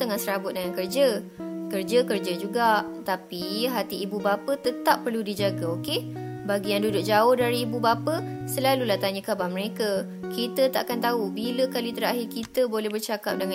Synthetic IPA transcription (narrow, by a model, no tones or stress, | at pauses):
t̪əŋahsəɾabʊt̪̚dəŋankərd͡ʒəkərd͡ʒəkərd͡ʒəd͡ʒuɡaʔt̪apiɦat̪iːbubapət̪ət̪apːərludid͡ʒaɡaokebaɡijaŋdudʊk̚d͡ʒaʊhdaɾiːbubapəsəlalulaht̪aɲəkabahməɾekə | kʰit̪ət̪a̰ʔakant̪aubiləkalit̪əɾaɦɪrkit̪əbolɛhbərt͡ʃaka̰p̚dəŋ